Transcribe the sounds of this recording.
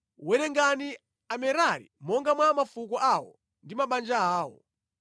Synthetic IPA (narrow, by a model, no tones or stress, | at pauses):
wɛɾɛŋɡani | amɛɾaɾḭmɔŋɡamwamafukɔʔawɔ̰ | ndimaɓand͡ʒaaːwɔ̰